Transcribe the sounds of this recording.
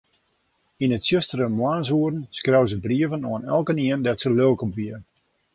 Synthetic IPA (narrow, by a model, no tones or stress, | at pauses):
inətsjøstərəmwaːnsuərn̩skrawzəbriəvənoənɛlˠkəniəndɛtsəløːkəmʋiə